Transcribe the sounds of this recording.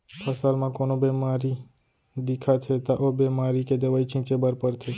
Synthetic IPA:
pʰəsalmãkonobemaɾi | d̪ikʰat̪ʰet̪aʔobemaɾiked̪əʋait͡ʃĩt͡ʃebəɾpəɾt̪ʰe

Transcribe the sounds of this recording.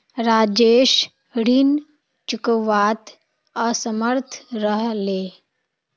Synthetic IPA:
ɾaːd͡ʒeːʃ | ɽin | t͡ʃʊkəʋaːt̪ | əsəməɾt̪ʰɾəɦleː

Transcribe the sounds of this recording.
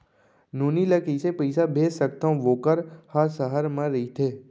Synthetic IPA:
nuːniːlakəɪsepəɪsabʱeːsək̚t̪ãʋoːkəɾhasəɦəɾmãɾəit̪ʰeː

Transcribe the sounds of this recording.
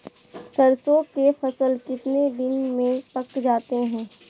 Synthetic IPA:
sɐɾsõːkefɐsəlkɪt̪ned̪ɪnmẽpɐkd͡ʒaːt̪eɦɛ̃ː

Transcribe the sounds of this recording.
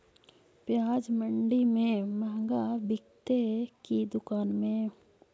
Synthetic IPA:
pjaːd͡ʒmə̃ɳɖimẽməɦɡabɪkt̪ekid̪ʊkaːnmẽ

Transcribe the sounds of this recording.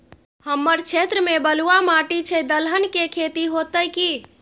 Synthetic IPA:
həmːəɾt͡ʃʰet̪ɾəmebəluamaʈit͡ʃʰɛd̪əlɦənkekʰet̪iɦot̪əjki

